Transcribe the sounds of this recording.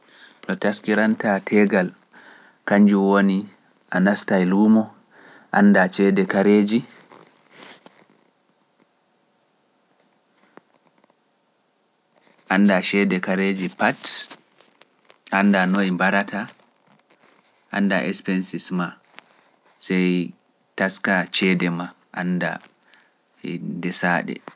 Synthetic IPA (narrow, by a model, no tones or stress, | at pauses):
ɗɔtaskiɾantatʰɛɡal | kaɲd͡ʒuwoni | ʔanastajlumɔ | ʔandat͡ʃɛːdɛkaɾeːd͡ʒi | ʔanːdaʃɛːdɛkaɾed͡ʒipat | ʔandanoimbaɾatʰa | ʔa̰ndaʔɛspɛnsisma | sɛj | taskat͡ʃɛdɛma | ʔa̰nda̰ | dɛsaːɗɛ̰